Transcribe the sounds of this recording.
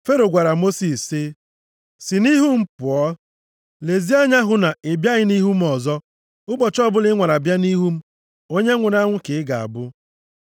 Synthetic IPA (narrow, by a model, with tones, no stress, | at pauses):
fe˦ɾo˨ɡʷa˨ɾa˨mo˦si˨sɪ˦ | sɪ˨ni˦ɦu˦m̩˦pʊ˨ɔ˦ | le˨zi˦a˦ɲa˦ɦʊ˦na˨ɪ˨bja˦ɣɪ˦ni˦ɦu˦m̩˦ɔ˨zɔ˦ | ʊ˦ɡ͡bɔ˨t͡ʃɔ˦bʊ˦lɪ˦ŋʷa˨ɾa˨bja˦ni˦ɦu˦m̩˦ | o˦ɲe˦ŋʷʊ˨n˦a˦ŋʷʊ˦kɪ˨ɪ˦ɡa˨a̰˨bʊ˦